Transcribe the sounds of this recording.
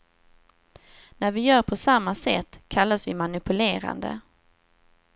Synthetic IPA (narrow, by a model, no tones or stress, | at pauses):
næɾvɪjœːɾpʰɔsamːasɛ̰t̪ːkʰalːasvɪmanɪpɵleːɾa̰nd̪ə̰